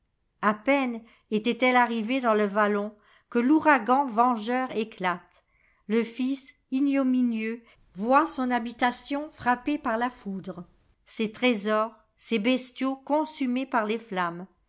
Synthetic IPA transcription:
apɛn | et̪ɛt̪ɛlaʁived̪ɑ̃ləvalɔ̃ | kəluʁaɡɑ̃vɑ̃ʒœʁeklat̪ | ləfis | injɔminjø | vwasɔ̃nabit̪asjɔ̃fχapepaʁlafud̪ʁ | set̪χezɔʁ | sebɛst̪jokɔ̃symepaʁleflam

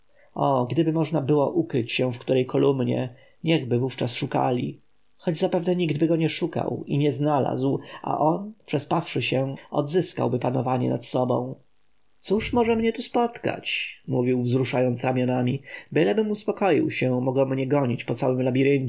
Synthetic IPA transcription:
ɔɡd̪ɘbɘmɔʐnabɘwɔ̰ʔukɾɘt͡ɕɕɛfkt̪uɾɛjkʰɔlumɲɛ̰ | ɲɛɣbɘvuft͡ʂasʂuka̰lʲḭ | xɔd͡ʑzapɛvnɛɲiɡd̪bɘɡɔɲɛʂuka̰wiɲɛznala̰zwa̰ʔɔnpʂɛspafʂɘɕɛɔ̰d̪zɘska̰wbɘpanɔvaɲɛ̰nat̪sɔbɔ̰̃w̃ | t̪suʂmɔʐɛmɲɛt̪uspɔt̪ka̰t͡ɕmuvʲiwvzɾuʂajɔnt̪sɾamʲjɔnamʲibɘlɛbɘmuspɔkɔjḭwɕɛmɔɡwɔmɲɛɡɔɲit͡ɕpɔt̪sawɘmlabʲiɾɘɲ

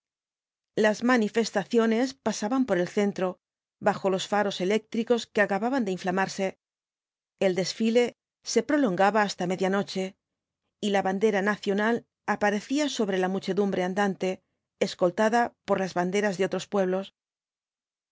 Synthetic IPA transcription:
lazmanife̞st̪aθjo̞ne̞spasaβampo̞ɾe̞lθe̞nt̪ɾo̞ | βaxo̞lo̞sfaɾo̞se̞le̞k̚t̪ɾiko̞ske̞akaβaβand̪e̞iɱflamaɾse̞ | ld̪e̞sfile̞ | se̞pɾo̞lo̞ŋɡaβaːst̪ame̞ðjano̞t͡ʃe̞ | ilaβand̪e̞ɾanaθjo̞nal | apaɾe̞θiaso̞βɾe̞lamut͡ʃe̞ðumbɾe̞and̪ant̪e̞ː | sko̞lt̪aðapo̞ɾlazβand̪e̞ɾazðeo̞t̪ɾo̞spwe̞βlo̞s

